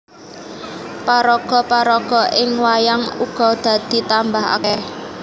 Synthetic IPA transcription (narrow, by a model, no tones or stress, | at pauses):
paɾɔɡ̥ɔ̤paɾɔɡ̥ɔ̤ʔɪŋwajaŋuɡ̥ɔ̤d̪̥ä̤d̪̥i̤t̪ambaɦa̰kɛ